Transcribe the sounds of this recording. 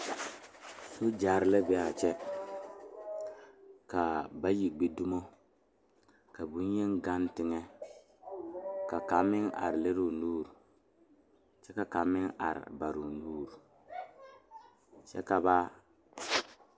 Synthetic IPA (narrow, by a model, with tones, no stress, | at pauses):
so˦d͡ʒa˨ɾlɛ˦bɛ˦a˦˨t͡ʃɛ˦ | ka˨ba˦ji˨ɡ͡be˨˦du˦mo˦ | ka˨bu˨˦n˦e˦ŋɡa˦ntɪ˨ŋɛ˦ | ka˨ka˨mɪ˦ŋʔa̰˨ɾle˦ɾu˨nuː˦ɾ | t͡ʃɛ˦ka˦ka˨mɪ˦ŋa̰˨ɾɪ̰˨ba˨ɾu˨nuː˦ɾu˨ | t͡ʃɛ̰˦ka˨ba˦